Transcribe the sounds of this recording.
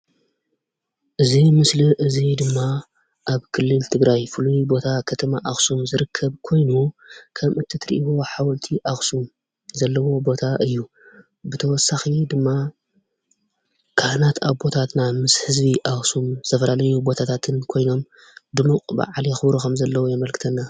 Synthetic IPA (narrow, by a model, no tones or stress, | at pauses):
ʔɨzimɨsliʔɨzid̪ɨmːa | ʔaβkʰɨlːɨlt̪ʰɨɡɾajfɨlubo̞t̪ʰakʰɐt̪ʰɐmaʔaxsumzɨɾɨkʰːɐβkʰo̞jnukʰɐmʔɨt̪ʰit̪ʰɾḭʔiboħawɔlt̪ʰiʔaxsum | zɐlːɐwo̞bo̞t̪ʰaʔɨjːu | bɨt̪ʰɐwɔsaxid̪ɨmːa | kʰahnat̪ʰaβbo̞t̪ʰat̪namɨshɨzbiʔaxsum̥t̪ʰɐfɐlalɐjubo̞t̪ʰat̪ʰat̪ʰɨnkʰo̞jno̞m | d̪ɨluqʼba̰ʕlixɨβɾukʰɐmzɐlːɐwojɛmɐlkʰɨ̥t̪ʰɐnːa